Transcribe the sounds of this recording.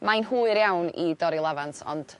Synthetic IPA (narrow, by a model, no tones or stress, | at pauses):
majnhuːɨɾjawnḭdɔɾilˠavantɔ̰nd̥